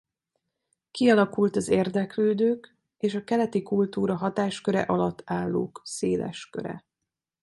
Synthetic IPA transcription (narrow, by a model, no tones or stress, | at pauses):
kiɒlɒkult̪ɒzeːrd̪ɛkløːd̪øːk | eːʃɒkɛlɛt̪ikult̪uːɾɒɦɒt̪aːʃkøɾɛ̰ʔɒlɒt̪ːaːlːo̰ːkseːlɛ̰ʃkø̰ɾɛ̰